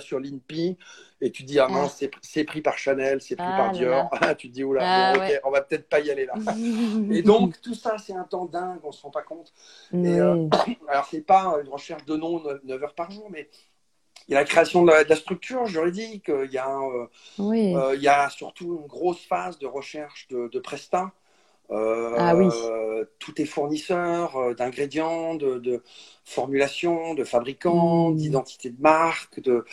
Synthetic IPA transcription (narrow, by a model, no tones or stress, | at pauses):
syʁlinpiet̪yd̪iamɛ̃sɛpχisɛpχipaʁʃanɛlsɛpχipaʁd̪jɔʁt̪yd̪iulaɛɔkɛɔ̃vapə̥t̪ɛt̪χpaijalela | ed̪ɔ̃kt̪usasɛt̪ɛ̃t̪ɑ̃d̪ɛ̃ɡɔ̃sə̥ʁɑ̃pakɔ̃t̪ | eøalɔʁsɛpaøynʁəʃɛʁʃd̪ənɔ̃nnœvœʁpaʁʒuːʁmɛ | iljalakχeasjɔ̃d̪əlad̪əlast̪χyk̚t̪ʰyːʁʒyʁid̪ikøiljãø | iiljasyʁt̪uynɡʁosfazd̪əʁəʃɛʁʃd̪əd̪əpχɛst̪ɛ̃ | øit̪ʰut̪ɛfuʁnisœʁød̪ɛ̃ɡʁed̪jɑ̃d̪əd̪ə | fɔʁmylasjɔ̃d̪əfabʁikɑ̃d̪id̪ɑ̃t̪i̥t̪ed̪əmaʁkd̪ə